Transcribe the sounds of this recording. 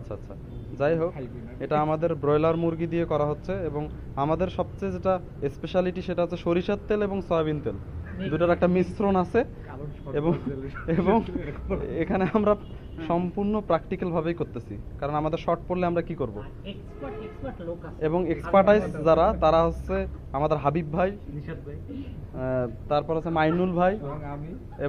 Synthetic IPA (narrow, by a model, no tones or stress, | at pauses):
atːʰaat̪ːɕʰa̰ | d͡ʑajɦok | eʈaamad̪eɾbɾɔjlaɾmuɾɡid̪ijekɔɾaɦotːɕʰeeboŋ | amad̪eɾʃɔb̚t͡ɕejd͡ʑeʈa | espeʃaliʈiʃeʈaɦot͡ɕʰeʃoɾiʃat̪ːeleboŋsoajβint̪eld̪uʈaɾɛk̚ʈamisɾonat͡ɕʰe | eboŋeboŋ | ekʰaneamɾa | ʃɔmpuɾnopɾakʈikalbʱabejkoɾt̪et͡ɕʰḭkaɾonamad̪eɾʃɔʈ̚poɾleamɾakikoɾbo | eboŋekspaɾʈajzd͡ʑaɾat̪aɾaɦot͡ɕːɕʰeamad̪eɾɦabibʱaj | t̪aɾpɔɾɦot͡ɕʰemajnulbʱaj | e